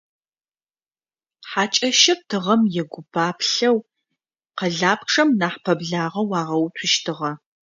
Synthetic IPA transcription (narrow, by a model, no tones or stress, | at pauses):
ħaːt͡ʃʼɐʃɐp̚tʰɨʁɐmjɛɡʷʊb̥aːpʰɬɐw | qəɮaːpʰʈ͡ʂʰʼɐmnaːħpʰɐbɮaːʁɐwɑːʁɐwtʷʰʊʃtʰɨʁɐ